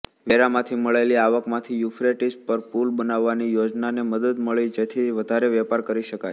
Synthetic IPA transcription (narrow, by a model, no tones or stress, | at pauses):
ʋeɾamãt̪ʰiməɭeliaʋəkmãt̪ʰijufɾeʈispəɾpulbənaʋːanijod͡ʒnaneməd̪əd̪məɭid͡ʒet̪ʰiʋəd̪ʱaɾeʋɛpaɾkəɾiʃəkaj